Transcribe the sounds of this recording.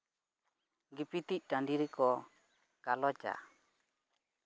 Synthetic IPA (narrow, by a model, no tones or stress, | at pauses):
ɡipit̪ic̚ˀʈaɳɖiɾɛkɔ | kalɔt͡ʃa̰